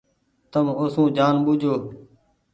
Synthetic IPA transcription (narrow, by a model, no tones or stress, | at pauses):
t̪əmʊsũːd͡ʒaːnɓʊd͡ʒʱoː